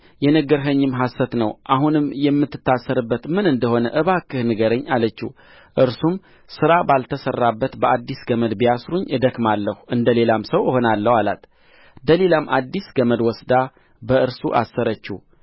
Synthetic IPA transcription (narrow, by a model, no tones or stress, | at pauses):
jɛnəɡəɾɦəɲːɪmɦasːət̪nəwʔaɦunɨmjɛmːɨt̪ːɨ̥t̪ːasːəɾɨbːət̪mɨnɨnd̪əho̞nəʔɨβakːɨhnɨɡəɾəɲːalət͡ʃːi | ʔɨɾsum | sɨɾabalt̪ʰəsərːabːət̪bəʔad̪ːisɡəməd̪bijasɾuɲːɨd̪əkmalːəhuʔɨnd̪əle̞lamsəwəho̞nalːəhala̰t̪ʰ | d̪əle̞lamʔad̪ːisɡəməd̪wɔsd̪a | bəɨɾsṵʔa̰sːəɾət͡ʃːi